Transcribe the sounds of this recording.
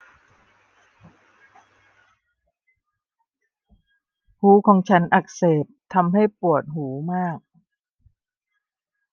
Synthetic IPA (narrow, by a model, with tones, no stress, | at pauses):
huː˩˦kʰɔː˨˩˦ŋt͡ɕʰa˦˥nʔa˨˩k̚seː˨˩p̚t̪ʰa˧mɦa˥˩jpu˨˩ət̪̚huː˩˦maː˥˩k̚